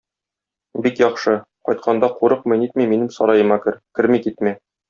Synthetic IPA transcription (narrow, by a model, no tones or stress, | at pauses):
bikjɒqʃɤ | qɒ̰jt̪̚qʰɑnd̪ɑquɾɤqmɤ̆jnit̪miminɘmsɒɾɑjɤ̆mɑkɘ̆ɾkɘɾmikit̪mæ